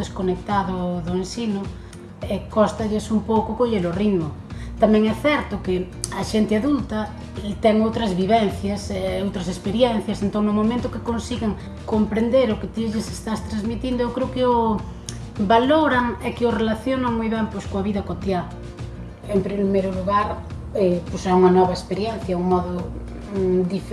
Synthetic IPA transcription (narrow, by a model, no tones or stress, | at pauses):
eskonek̚t̪aðoðoensino | ekost̪aʎesumpowkokoʎeloriðmo | t̪amɛ̃ŋɛθɛɾt̪oke | aʃent̪eaðult̪a | t̪ɛŋowt̪ɾazβiβenθjasowt̪ɾasespeɾjɛn̟θjasent̪oɾnoamõmẽnt̪okekonsiɣaŋ | kompɾend̪eɾoket̪iʎesest̪ast̪ɾazmit̪ind̪oewkɾeokeo | baloɾaŋekeorelaθjonaŋmujβɛmpweskoaβiðɐkot̪ja | empɾimejɾoluɣaɾ | ɛposauŋɐnɔβaespeɾjɛn̟θjauŋmɔðʊ | d̪if